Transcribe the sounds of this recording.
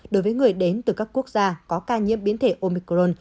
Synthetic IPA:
ɗo˨˦jvəː˨˦jŋɨ˨˩əjɗe˨˦nt̪ɨ˨˩kaː˦˥kːu˦˥ək̚zaː˧kɔ˨˦kaː˧ɲḭ˧˥əmɓi˨˦ənt̪ʰe˧˩ʔo˧mi˧kzo˧n

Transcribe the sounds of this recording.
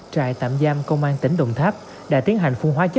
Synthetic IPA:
t͡ɕaː˧˩jt̪a̰ː˧˨mzaː˧mkə˧wŋ͡mʔaː˧nt̪ï˧˦ŋ̟ɗə̰˧˨wŋ͡mt̪ʰaː˦˥p̚ | ɗa̰ː˧˥t̪i˨˦ənɦa˨˩jŋ̟fu˧ŋɦwaː˨˦t͡ɕə˦˥

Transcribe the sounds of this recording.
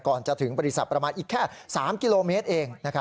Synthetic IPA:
kɔː˨˩nt͡ɕa˨˩t̪ʰɯ˩˦ŋbɔː˧ɾi˦˥sa˨˩t̪̚pɾa˧maː˧nʔiː˨˩kʰːɛː˥˩saː˩˦mki˧loː˧meː˦˥t̪̚ʔeː˧ŋna˦˥kʰa˦˥

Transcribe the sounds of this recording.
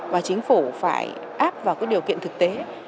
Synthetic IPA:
vaː˨˩t͡ɕï˨˦ŋ̟fu˧˩fa̰ː˧˩j | ʔaː˦˥p̚vaː˨˩kɔː˨˦˥ɗi˨˩əwkḭ˧˨nt̪ɨ˨˩k̚t̪e˨˦

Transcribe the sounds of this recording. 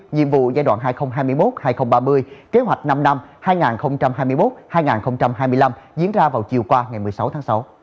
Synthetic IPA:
ɲḭ˧əmvṵ˧˨zaː˧jɗwa̰ː˧˨nɦaː˧jxə˧wŋ͡mɦaː˧jmɨ˧əjmo˦˥t̚haː˧jxə˧wŋ͡mɓaː˧mɨ˧əjke˨˦ɦwa˨˩jk̟̚na˧mna˧mhaː˧jŋaː˨˩nxə˧wŋ͡mt͡ɕa˧mɦaː˧jmɨ˧jmo˦˥t̚haː˧jŋaː˨˩nxə˧wŋ͡mt͡ɕa˧mɦaː˧jmɨ˧əjla˧mzḭ˧˦ənzaː˧vaː˨˩wt͡ɕi˨˩əwkwaː˧ŋa˨˩jmɨ˨˩əjsa˨˦wt̪ʰaː˨˦ŋsa˨˦w

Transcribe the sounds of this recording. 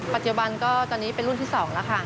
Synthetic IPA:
pa˨t̪̚t͡ɕu˨˩ba˧nkɔː˥˩t̪ɔː˧nːiː˦˥pe˧nɾu˥˩nt̪ʰiː˥˩sɔː˩˦ŋla˦˥kʰa˥˩

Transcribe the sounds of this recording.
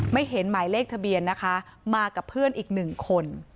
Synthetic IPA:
ma˥˩jɦe˩˦nmaː˩˦jleː˥˩k̚t̪ʰa˧bi˧ənːa˦˥kʰa˦˥maː˧ka˨˩pʰːɯ˥˩ənʔiː˨˩k̚nɯ˨˩ŋkʰo˧n

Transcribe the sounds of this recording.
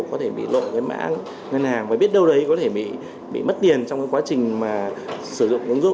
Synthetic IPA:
kɔ˨˦t̪ʰe˧˩ɓḭ˧˨lo̰˧˨kaː˨˦jma̰ː˧˥ŋ | ŋə˧nhaː˨˩ŋvaː˨˩ɓi˦˥ət̚ɗə˧wɗə˨˦jkɔ˨˦t̪ʰe˧˩ɓḭ˧˨ | ɓḭ˧˨mə˦˥t̚t̪i˨˩ənt͡ɕɔ˧wŋ͡mkaː˨˦jkwaː˨˦t͡ɕï˨˩ŋ̟maː˨˩sɨ˧˩zʊ̰˧˨ŋ͡mʔɨ˨˦əŋz

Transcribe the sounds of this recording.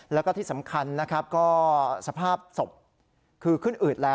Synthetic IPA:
lɛː˦˥wkɔː˥˩t̪ʰiː˥˩sa˩˦mkʰa˧nːa˦˥kʰɾa˦˥p̚kɔː˥˩sa˧pʰaː˥˩p̚so˨˩p̚ | kʰɯː˧kʰɯ˥˩nʔɯː˨˩t̪̚lɛː˦˥

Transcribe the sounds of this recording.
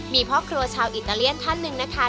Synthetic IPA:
miː˧pʰɾɔː˦˥˩kʰɾu˧ɐt͡ɕʰaː˧wʔi˨˩t̪ːaː˧li˥˩ənt̪ʰa˥˩nːɯ˧ŋna˦˥kʰa˦˥

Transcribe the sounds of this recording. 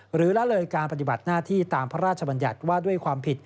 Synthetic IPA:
ɾɯː˩˦lɛ˦˥lɤː˧jkaː˧npa˧t̪i˨˩ba˨˩t̪̚naː˥˩t̪ʰiː˥˩t̪aː˧mpʰa˦˥ɾaː˥˩t͡ɕʰa˧ba˧nja̰˨˩t̪̚waː˥˩du˥˩əjkʰwaː˧mpʰi˨˩t̪̚

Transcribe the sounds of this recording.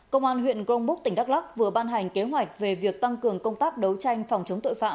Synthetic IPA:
kə̰˧wŋ͡mʔaː˧nɦwḭ˧˨ənɣo˧ŋ͡mɓʊ˦˥k̚t̪ï˧˩ŋɗa˦˥la˦˥k̚vɨ˨˩əɓaː˧nɦa˨˩jŋ̟ke˨˦ɦwa˨˩jk̟̚ve˨˩vi˨˩ək̚t̪a˧ŋkɨ˨˩əŋkə˧wŋ͡mt̪aː˦˥p̚ɗə˨˦wt͡ɕa˧jŋ̟fɔ˨˩wŋ͡mt͡ɕə˨˦ŋ͡mt̪o̰˧˨jfa̰ː˧˨

